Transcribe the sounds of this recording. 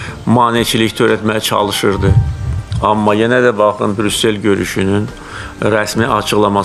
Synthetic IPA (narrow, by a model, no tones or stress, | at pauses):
mɑːnit͡ʃʰiliçt̪ʰø̞ɾæt̪mæjæt͡ʃʰɑ̰lˠɯʃɯɾd̪ɯ | ɑmːɑjenæd̪æbɑxɯnbɾysːe̞lɟø̞ɾy̰ʃynyn | ɾæsmiʔɑt͡ʃʰɯɣlˠɑmɑ